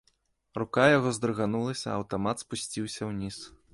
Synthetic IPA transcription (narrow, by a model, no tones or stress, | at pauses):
rukajaɣɔzd̪ɾɨɣanulˠɐsʲɐːwt̪amat̪spusʲt͡sʲiwsʲɐwnʲis